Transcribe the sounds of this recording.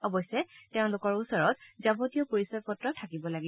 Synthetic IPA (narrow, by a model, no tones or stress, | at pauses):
ɔbɔjsɛtɛʊ̃lʊkɔɹusɔɹɔt̚zabotijɔpoɹisɔɹpɔtɹɔtʰakibɔlaɡi